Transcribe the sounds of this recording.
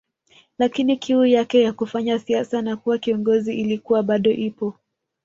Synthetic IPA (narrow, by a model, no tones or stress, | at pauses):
lakinikʰiujakɛjakufaɲasiasanakuwakiɔŋɡɔziʔilikuwaɓaɗɔʔipɔ